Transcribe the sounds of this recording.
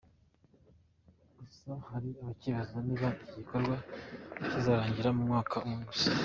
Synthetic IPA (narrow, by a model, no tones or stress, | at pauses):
ɡ̥usahaɾiaβaciβazaniβaːndiɟikʰo̞ɾɡwacizaːɾaːɲɟiɾamumŋaːkaumuuzi̥